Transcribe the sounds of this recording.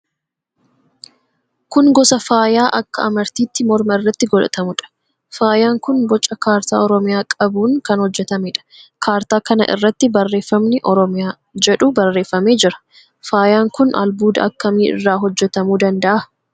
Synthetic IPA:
kʊŋɡɔsɐfaːjaːʔɐkːɐ̰ɐmɐɾt̪iːt̪ːɪmɔɾmɐɪrːɐt̪ːɪɡɔlɐ̰t̪ʰɐmʊᶑɐ̥ | faːjaːŋkʊnbɔt͡ʃʼːɐkaːɾt̪a̰ːɔɾɔmɪjaːkʼɐbuːŋkɐnhɔd͡ʒːɛt̪ɐmɪᶑɐ̥kʰaːɾt̪aːkɐnɐ̰ʔɪ̰rːɐt̪ːɪbɐrːe̞ːfːɐmnɪʔɔɾɔmɪjaː | d͡ʒɛᶑʊbɐrːe̞ːfːɐme̞ːd͡ʒɪɾɐ̥ | faːjaːŋkʊnɐ̰lbuːd̪ɐ̰ɐkːɐmiːɪ̰rːaːɦɔd͡ʒːɛt̪ɐmuːd̪ɐnd̪ɐʔɐ

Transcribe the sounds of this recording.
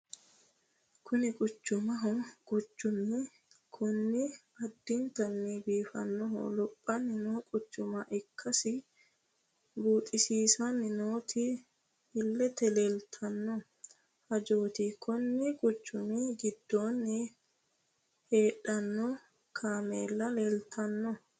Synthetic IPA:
kʊnɪkʼʊt͡ʃːʊmɐɦɔkʼʊt͡ʃːʊmːɪ | kʰʊnːɪ | ɐd̪ːɪnt̪ɐnːibiːfɐ̰nːɔɦɔ̰lɔpʼːɐnːɪnɔkʼʊt͡ʃːʊmɐʔɪkʰːɐsɪ | buːt̪ʼɪsiːsɐnɪnoːt̪ʰɪ | hɪlːɛt̪ɛlelt̪ʰɐnːɔ | hɐd͡ʒoːt̪ɪkʰɔnːɪkʼʊt͡ʃːʊmiɡɪd̪ːoːnːɪ | heːᶑɐnːɔ | kʰaːmḛːlːɐleːlt̪ʰɐnːɔ

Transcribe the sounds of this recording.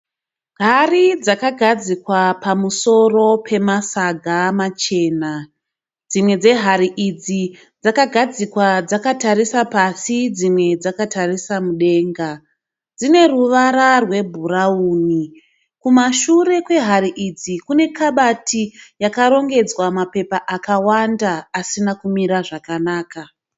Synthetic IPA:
ɦarid͡zakaɡʱad͡zikwapamuso̞ro̞pʰe̞masaɡʱamat͡ʃe̞ːna | d͡zimwe̞d͡ze̞ɦaɾiʔid͡zi | d͡zakaɡʱad͡zikwad͡zakatarisapasid͡zimwe̞d͡zakatarisamuɗe̞ːŋɡa | d͡zine̞ruʋaɾarwe̞bʱuɾauːni | kumaʃure̞kwe̞ɦaɾiʔid͡zikune̞kaɓatijakaɾo̞ŋɡe̞d͡zwamape̞paʔakawandaːsinakumiɾaʐakanaːka

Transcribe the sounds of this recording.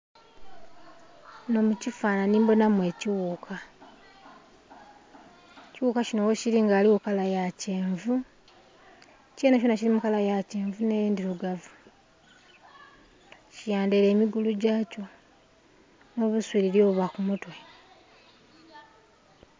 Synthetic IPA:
no̞mucifaːnaniːmbo̞namwe̞ːciwuːkʰa | ciwukacino̞weciliŋɡaːliwokalajaceːɱvu | ceːnaonacilimukalajace̞ːɱvune̞ːiːndiluɡavu | cijaːndele̞ːmiɡuluɟaːco̞ | no̞ːβuswiɾiɾjo̞ːβakumutwe̞

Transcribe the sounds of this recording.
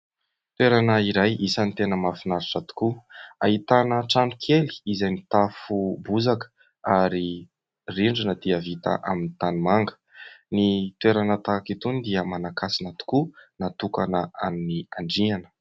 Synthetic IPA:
t̪weɾanəiɾajisant̪enəmafinaɾiʈ͡ʂat̪u̥kua̰ɦit̪anəʈ͡ʂanu̥kʰeli̥izajmit̪afubuzakə̥ | aɾi | riɳɖ͡ʐanəd̪̥iəvit̪a̰ʔaminit̪animaŋɡə̥ | nit̪weɾanət̪akit̪und̪iəmanakasinat̪u̥kunat̪ukanəa̰miniaɳɖ͡ʐianə̥

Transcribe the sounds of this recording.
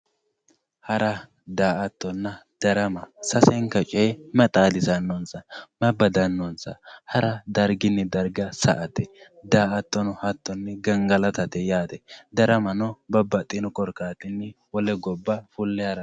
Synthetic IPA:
hɐɾɐ | d̪aːʔɐt̪ːɔnːɐd̪̥ɐɾɐmɐsɐsɛŋkɐt͡ʃʼɛmɐt̪ʼaːd̪ɪsɐnːɔnsɐmɐbɐd̪ɐnːɔnsɐ̰hɐɾɐd̪ɐɾɡɪnːɛd̪ɐɾɡɐsɐ̰ʔɐt̪ɛ | d̪aːʔɐt̪ːɔnɔhɐt̪ːɔnːɛɡɐŋɡɐlɐt̪ɐt̪ɛjaːt̪ɛd̪ɐɾɐmɐnɔbɐbːɐt̪ʼɪnɔkʼɔɾkaːt̪ɪnːɛwɔlɛɡɔbːɐfʊlːɛɐɾɐ

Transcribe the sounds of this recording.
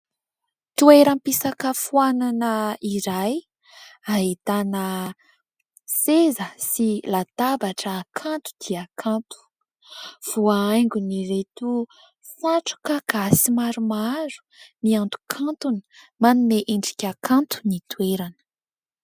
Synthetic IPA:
t̪ueɾəmpisakəfuananəiɾaj | aɦit̪anə | sezəsilat̪abaʈ͡ʂəːkʰant̪u̥d̪̥iakʰãnt̪u̥ | v̥uaajŋɡʲuniɾet̪u | saʈ͡ʂu̥kaɡ̥asimaɾumaɾu̥ | niant̪u̥kʰant̪uni̥ | manuneʔiɳɖ͡ʐi̥kʲakʰant̪u̥nit̪ueɾanə̥

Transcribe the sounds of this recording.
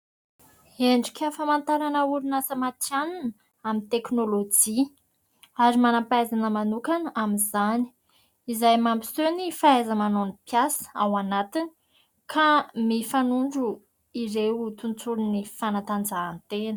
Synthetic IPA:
eɳɖ͡ʐikʲʰəfamant̪aɾanəuɾunasəmat̪janunə | amint̪eknolod͡ʒi | aɾimanapajzanəmanukanaminzani̥ | izajmambi̥sønifaajzəmanonipjasə̥awanat̪ini̥ | kʰamifanuɳɖ͡ʐu | iɾewut̪unt͡suɾunifanat̪and͡zaːnt̪enə

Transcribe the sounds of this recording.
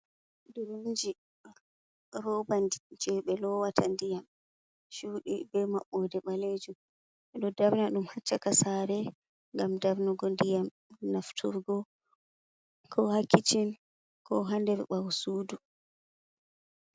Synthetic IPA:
duɾond͡ʒi | ɾɔbandid͡ʒɛɓɛlɔwatʰandijam | ʃuːɗḭbɛmaɓːɔdɛɓaled͡ʒum | ɛɗɔdaɾnaɗumhat͡ʃːakasaɾɛ | ŋɡamdaɾnɔɡɔndijam | naftʰuɾɡɔ | kʰɔhakːit͡ʃin | kɔɦandɛbɛɓawsuːdu

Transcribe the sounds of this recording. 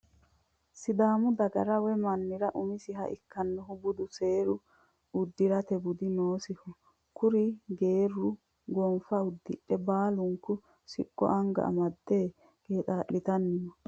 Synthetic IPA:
sɪd̪aːmʊd̪ɐɡɐɾɐwɛmɐnːɪɾɐʔʊmɪsɪɦɐ̰ʔɪ̰kːɐnːɔɦʊbʊd̪ʊseːɾʊ | ʊd̪ːɪɾɐt̪ɛbʊd̪ɪnoːsɪhɔ | kʊɾɪɡeːɾːʊ | ɡɔnfɐʊd̪ːɪᶑːɛbaːlʊŋkːʊ | sɪ̰kʼːɔ̰ʔɐŋɡɐ̰ʔɐ̰mɐd̪ːeː | ɡeːt̪ʼaːʔːɪt̪ɐnːɪmɔ

